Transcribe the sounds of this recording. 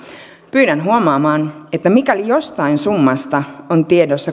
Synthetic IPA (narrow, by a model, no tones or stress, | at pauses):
pyːdænɦuomɑːmɑːnet̪ːæmikælijo̞st̪ɑinsumːɑst̪ɑont̪iedosːɑ